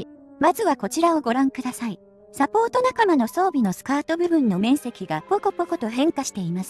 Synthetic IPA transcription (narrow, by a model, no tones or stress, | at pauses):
mazɨβako̞t͡ɕiɾao̞ɡo̞ɾãŋkɯ̟d̪asai | sapo̞ːt̪o̞nakamano̞so̞ːbʲino̞sɨ̥kaːt̪o̞bɯ̟bɯ̟̃nːo̞mẽ̞ɰ̃se̞kʲiɡapokopoko̞t̪o̞ɦẽ̞ŋkaɕi̥t̪e̞imasɨ̥